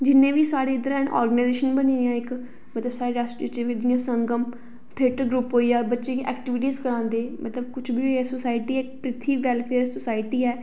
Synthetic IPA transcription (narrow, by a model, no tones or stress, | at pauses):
d͡ʒɪnẽːʋiːsaːɾeːɪd̪əɾɛnʔɔ̰ːɾɡnaɪzeːʃənbəniːd̪ɪjãːɪk | mət̪ləbsaːɾeːɖasɪt͡ʃeːd̪ɪjãːsə̃ŋɡəm | t̪ʰeːʈəɡɾuːpɦoːiːjaːbətːʃeːkʔɛ̰ːkʈɪʋɪʈ̬iːzkəɾãːnd̪eːmət̪ləbkʊt͡ʃʰbʱiːɦoɛsʊsaːɪʈiːɛːɪk̚pɾɪt̪ʰiːʋɛːlpʰeːɾsʊsaːɪʈiːɛː